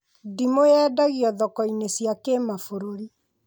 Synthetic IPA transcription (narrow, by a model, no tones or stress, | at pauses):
dimojɛːdaɣiɔðɔkɔinesjakemafoɾoɾi